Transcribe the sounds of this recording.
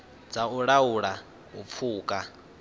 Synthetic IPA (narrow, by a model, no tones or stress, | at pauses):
d͡zauɺauɺa | ɦup̪fʰuːkʼa